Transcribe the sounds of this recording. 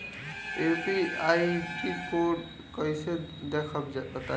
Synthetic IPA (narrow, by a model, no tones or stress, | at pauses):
epiajkikʰoɖ | kɔjse | d̪ekʰɔbt̪a